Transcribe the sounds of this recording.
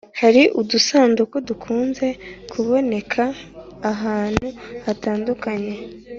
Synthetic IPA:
haɾiʔudusaːndukwodukʰuːnze̞kʰuβo̞ne̞kʰaːɦaːn̥huataːndukaɲe̞

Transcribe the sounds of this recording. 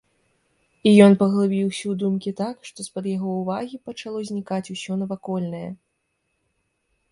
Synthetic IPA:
ijɔnpɐɣlˠabʲiwsʲɐwd̪umkʲit̪akʂt̪ɔspɐd̪jaɣɔwvaɣʲipɐt͡ʂalˠɔzʲnʲikat͡sʲusʲɔnɐvakɔlʲnɐjɐ̰

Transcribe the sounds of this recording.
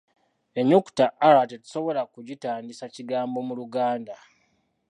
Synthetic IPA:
eɲuku̥taʔːɾatetu̥so̞βo̞lakuɟitaːndisaciɡaːmbo̞muluɡaːnda

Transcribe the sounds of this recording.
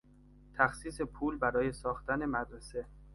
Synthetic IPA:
t̪ʰæxsiːse̞pʰuːlbæɾɒːje̞sɒːxt̪æne̞mæd̪ɾese̞

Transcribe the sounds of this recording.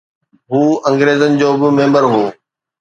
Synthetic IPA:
ɦuːɐ̃ŋɡɾeːzənɪ̆d͡ʑoːbɪmẽːmbəɾɦoː

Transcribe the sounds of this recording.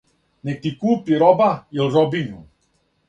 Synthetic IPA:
nɛk̚t̪ikuːpiɾɔbailɾɔbinu

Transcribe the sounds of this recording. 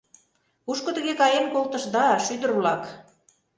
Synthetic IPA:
uʃkŏt̪ə̆ɣekɑjemkolt̪ə̆ʃd̪ɑʃyd̪ə̆rβlɑk

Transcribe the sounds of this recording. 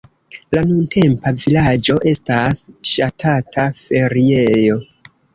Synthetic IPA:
lanunte̞mpavilad͡ʒo̞ʔe̞stasʃatʰatʰafe̞ɾie̞jo̞

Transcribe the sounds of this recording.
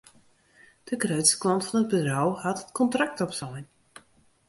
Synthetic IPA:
d̥əɡrøɥtsə̥klɔntfɔnəd̚bərɔwhatətkɔntrak̚tɔpsɔjn

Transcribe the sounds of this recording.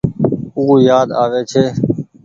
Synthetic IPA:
uːjaːd̪aːʋeːt͡ʃʰeː

